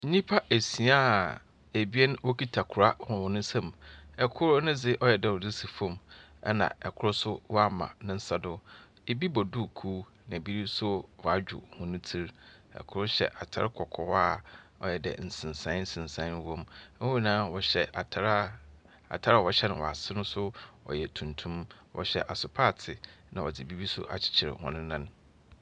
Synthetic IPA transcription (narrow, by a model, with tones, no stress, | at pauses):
ɲ̩˦ɲĩ˦pʰa˦ʔe˨si˨˦a˦˨ | e˨bi˦ɛ˦n˦wo˦kʰi˦tʰa˨kʰʊ˨ɾa˦˨˦ã˨wɔ˨nʊ̃˦sã˦mɛ˨kʰʊ˦ɾnɪ̃˦d͡zɪ˦ʔɔ˦jɛ˨dɛ˨wɔ˨di˦si˨fõ˦˨mɛ̰˦nã̰˨ɛ˨kʰʊ˦ɾʊ˦sʊ˦wɔ˦a˦mã̰˨nʊ̃˦n̩˦sa˦dʊ˦ | e˨bi˦bɔ˨du˦˨kʰuː˦ | nã˨bi˦ɾi˦sʊ˦wɔ˨a˨d͡ʑᶣʊ̰˨hʊ̃˨nʊ̃˦tʰi˦ɾɛ̰˨kʰʊ˦ɾʊ˦ɕɛ̰˨ʔa˨tʰa̰˦ɾɪ˦kʰɔ˨kʰɔ˦wa˦˨ɔ˨jɛ˨dɛ̰˨n̩˨sɪ̃˨n˨sã˨˦n̩˦sɪ̃˨n˨sã˨˦n˦wõ˦m˦u˦nãː˦wɔ˨ɕɛ˨˦ɾ | a̰˨tʰa˦ɾa˦˨ɔ˨ɕɛ˦nʊ̃˨wɔ̰˨a˨sɪ˦nʊ̃˦sʊ˦ɔ̰˨jɛ˨tʰũ˨ntʰũ˦m | wɔ̰˨ɕɛ˨ʔa˨sʊ˨pʰa˦˨tʰɪ˨nã˨ɔ˨d͡zɪ˨bi˦bi˦sʊ̰˦ʔa̰˨t͡ɕʰɪ̥˨t͡ɕʰɪ˨ɾɪ̰˨hʊ̰̃˨nʊ̃˦nːã˦n